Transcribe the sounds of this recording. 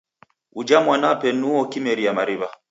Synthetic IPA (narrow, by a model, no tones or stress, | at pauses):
ud͡ʒamwanapɛnːuɔkimɛɾiamaɾiβa